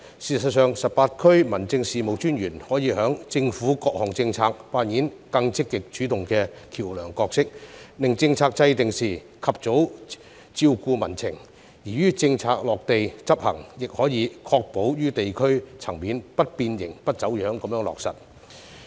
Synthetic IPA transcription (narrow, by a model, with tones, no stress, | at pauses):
siː˨˩sɐ˨˩t̚sœː˨ŋsɐ˨p̚paː˧t̚kʰɵ˥ɥmɐ˨˩nt͡sɪ˧ŋsiː˨mo˨wt͡ʃyː˥nɥyː˨˩nhɔː˨˥jiː˨˧hœː˨˥ŋt͡sɪ˧ŋfuː˨˥kɔː˧k̚hɔː˨˩ŋt͡sɪ˧ŋt͡sʰaː˧k̚paː˧njiː˨˥nkɐ˧ŋt͡sɪ˥kːɪ˨k̚t͡ʃyː˨˥t̪ʊ˨ŋkɛː˧kʰiː˨˩wlœː˨˩ŋkɔː˧k̚sɪ˥k̚lɪ˨˩ŋt͡sɪ˧ŋt͡sʰaː˧k̚t͡sɐ˧jt̪ɪ˨ŋsiː˨˩ | kʰɐ˨p̚t͡so˨˥w | t͡siː˧wkuː˧mɐ˨˩nt͡sʰɪ˨˩ŋ | jiː˨˩ɥyː˥t͡sɪ˧ŋt͡sʰaː˧k̚lɔː˨k̚t̪e˨jt͡sɐ˥p̚hɐ̰˨˩ŋjɪ˨k̚hɔː˨˥jiː˨˧˥kʰɔː˧k̚po˨˥wjyː˥t̪e˨jkʰɵ˥ɥt͡sʰɐ˨˩ŋmiː˨˥npɐ˥t̚piː˧njɪ˨˩ŋpɐ˥t̚t͡sɐ˨˥wjœː˨˥ŋkɐ˨˧mjœː˧˥ŋlɔ̰ː˨k̚sɐ̰˨˩t̚